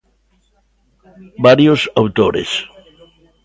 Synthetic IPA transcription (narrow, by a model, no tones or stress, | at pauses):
baɾjosawt̪oɾḛs